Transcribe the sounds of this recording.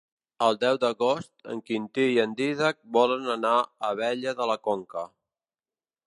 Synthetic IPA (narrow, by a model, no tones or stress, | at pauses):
əlˠd̪ɛwd̪əɣost̪ə̰ŋkint̪iiənd̪iðək̚bɔlənənaəβɛʎəðələkoŋkə